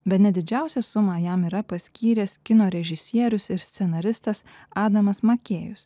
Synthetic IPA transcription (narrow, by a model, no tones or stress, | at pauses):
bʲɛt̪nʲɛd̪ʲɪd͡ʒʲæˑʊsʲɛsʊmɑːjɛmiːɾɐpɐsʲkʲiːɾʲeːskʲɪnoːɾʲɛʒʲɪsʲiɛɾʲʊsɪɾsʲt̪sʲɛnɐɾʲɪst̪ɐs | ɑːd̪ɐmɐsmɐkʲeːjʊs